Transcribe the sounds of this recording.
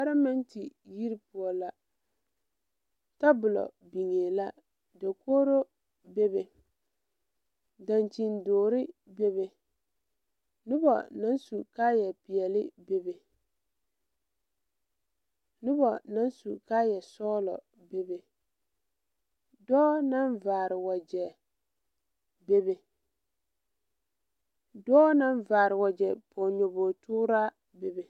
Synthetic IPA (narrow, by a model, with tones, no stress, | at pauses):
a˦ɾa˦mɛ˦nti˨ji˦ɾɪ˦pu˨ɔ˨la˨ | ta˦bʊ˨lɔ̰˨ | bi˨ŋeː˨la˦ | do˨koː˦ɾo˦ | be˦be˨ | da˨nt͡ʃi˨ndoː˨ɾɪ˦be˦βe˨ | nʊ˦bɔ̰˨na˦nsu˨ka˦jɛ˨pɪ˨ɛ˨lɪ̰˦be˦be˨ | nʊ˦bɔ̰˨na˨˦n˦su˨ka˦jɛ˨sɔː˦lɔ̰˨ | be˦be˨ | dɔː˦na˦nvaː˨ɾɪ˨wɔ˨d͡ʒɛ˨ | be˦be˨ | dɔː˦na˦nvaː˨ɾɪ˨wɔ˨d͡ʒɛ˨pɔ˨ɲo˨boː˨tuː˦ɾa˦ | be˨be˨